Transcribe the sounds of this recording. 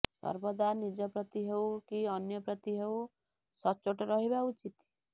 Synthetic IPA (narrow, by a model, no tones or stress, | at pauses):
sɔ̰ɾbɔd̪anid͡ʒɔpɾɔt̪iɦewkiɔnjɔpɾɔt̪iɦew | sɔt͡ʃoʈɔɾɔɦibaut͡ʃit̪